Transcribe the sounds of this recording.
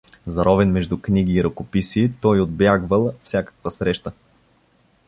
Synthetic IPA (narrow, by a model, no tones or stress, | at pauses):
zɐɾʔɔvɛnmɛʒd̪ukniɡ̟iːɾɐkopisit̪ɔjod̪̚bjaɡvəlˠfsʲjakə̥kvəsɾɛʃt̪ə